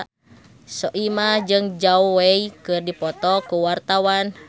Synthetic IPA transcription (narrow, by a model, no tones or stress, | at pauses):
sɔʔimad͡ʒɨŋd͡ʒauwɛikɨrdipɔt̪ɔkuwart̪awan